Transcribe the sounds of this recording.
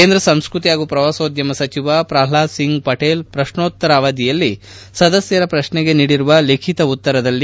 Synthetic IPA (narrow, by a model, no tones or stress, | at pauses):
keːnd̪ɾɐsɐmskɾut̪iaːɡupɾɐʋaːsoːd̪jɐmɐsɐt͡ʃiʋapɾaːlaːsiŋɡpɐʈeːlpɾɐʃɳoːt̪ːɐɾaːʋaːd̪ijɐlːi | sɐd̪ɐsjɐɾɐpɾɐʃnɛɡe̞niːɽiɾuʋɐlekʰit̪ɐut̪ːɐɾɐd̪ɐlːi